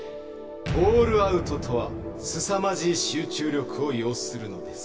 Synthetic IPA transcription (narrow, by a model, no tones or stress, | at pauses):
boːɾɯ̟aɯ̟t̪o̞t̪ʰo̞βa | sɨsamaʑiːɕɨːt͡ɕɨːɾʲo̞kɯ̟o̞jo̞ːsɨ̥sɨɾɯ̟no̞d̪e̞sɨ̥